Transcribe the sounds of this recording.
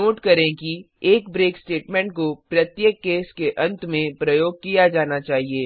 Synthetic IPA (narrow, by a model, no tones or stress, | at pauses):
oːʈkɐɾẽki | eːkbɾeːksʈeːʈmɛ̃ɳʈ̚kopɾɐt̪jekːeːskeʔɐ̃nt̪mẽpɾɐjoːɡ̚kijad͡ʒaːnat͡ʃaːɦieː